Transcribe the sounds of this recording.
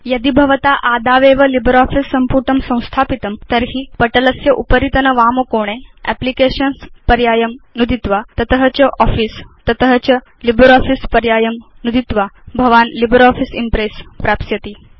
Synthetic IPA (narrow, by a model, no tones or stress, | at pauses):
jɐd̪ibʱɐʋət̪aʔad̪ʱaʋeʋɐlibɾɔːfisːɐmpuːʈəmsɐ̃w̃st̪ʰaːpit̪əmt̪əɾɦipəʈələsjɐʔupəɾit̪ənəʋaːmokoːɽ̃eɛ̰plikeɕənspɐɾjaːjəmnud̪ʱit̪ʋat̪ɐt̪əɦət͡ɕɐʔɔfiːst̪ɐt̪əɦət͡ɕə | libɾɔfispɐɾjaːjəmnud̪ʱit̪ʋabʱɐʋaːnlibɾɔfisimpɾespɾapsjɐt̪iː